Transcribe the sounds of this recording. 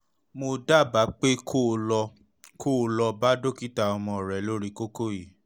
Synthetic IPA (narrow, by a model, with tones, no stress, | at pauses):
mo˧da˦˨ba˨˦k͡pe˦kʰo˦˨lɔ˧ | kʰo˦˨lɔ˧ba˦do˦ki˦ta˧ɔ˧mɔ̃˧˨ɾɛ˨˦lo˦ɾi˦ko˦ko˦ji˨